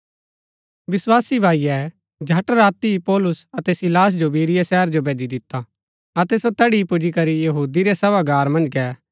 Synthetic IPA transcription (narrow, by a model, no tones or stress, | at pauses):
ʋɪswaːsibʱaːiɛ | d͡ʒʱɐʈɾaːt̪iipɔːlʊsɐt̪ɛsɪlaːs̬d͡ʒobiːɾɪjɛsɛːəɾd͡ʒobʱeːd͡ʒid̪ɪt̪ːa | ɐt̪ɛsot̪ɛɽipʊd͡ʒikɐɾijɐɦuːd̪iɾɛsɐʋaɡaːɾmɐ̃nd͡ʒkɛː